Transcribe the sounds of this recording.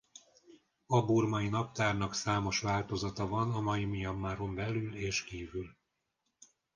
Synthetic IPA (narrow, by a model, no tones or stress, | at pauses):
ɒburmɒinɒp̚t̪aːrnɒksaːmo̞ʃʋaːlt̪o̞zɒt̪ɒvɒnɒmɒjimijɒmːaːɾo̞mbɛlyleːʃkiːvyl